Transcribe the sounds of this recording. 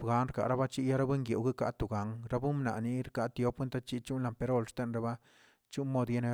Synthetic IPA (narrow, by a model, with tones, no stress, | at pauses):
ɡa˧nɾka̰˨ɾa˦ba˦t͡ʃi˦ja˦ɾa˦be˦ŋɡje˨wɡe˦ka˦t̪u˨ɡa˨ŋɾa˦bu˦mna̰˨ni˧˦ɾka˦t̪jo˦pwe˦nt̪a˦t͡ʃi˦t͡ʃu˦nla˨mpe˧ɾo˦˨lʂt̪e˧nɾa˧ba˦ | t͡ʃu˦nmo˧d̪je˦ne˧